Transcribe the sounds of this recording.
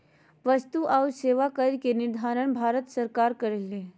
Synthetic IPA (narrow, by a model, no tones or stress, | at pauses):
ʋəst̪uʔawɾseːʋakəɾkenɪɾd̪ʱaːɾəɳbʱaːɾət̪səɾkaːɾkəɾəle